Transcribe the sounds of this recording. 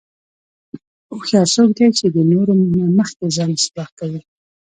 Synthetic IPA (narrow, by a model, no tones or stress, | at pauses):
oxjɑsok̚d̪ajt͡ʃed̪ənoɾominaməxkezɑnɪsbɑhkawi